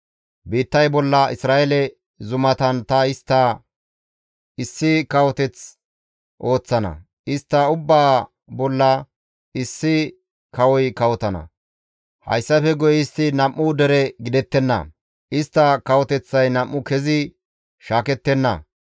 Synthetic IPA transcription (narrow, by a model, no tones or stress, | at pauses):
biːt̪ːɐjbɔlːɐɪsɾaːʔelɛ | zʊmɐt̪ɐnt̪ɐɪst̪ːɐ | ɪsːɪkɐwɔt̪ɛt͡s | ʔo̞ːt͡sːɐnɐ̰ | ʔɪst̪ːɐʊbːaː | bɔlːɐ | ɪsːɪ | kɐwɔjkɐwɔt̪ɐnɐ̰ | hɐ̰jsːɐfɛɡɔjɪst̪ːɪnɐmːʊd̪ɛɾɛɡɪd̪ɛt̪ːɛnːɐ̰ | ɪst̪ːɐkɐwɔt̪ɛt͡sːɐjnɐmʔːʊkɛzɪ | ʃaːkɛt̪ːɛnːɐ̰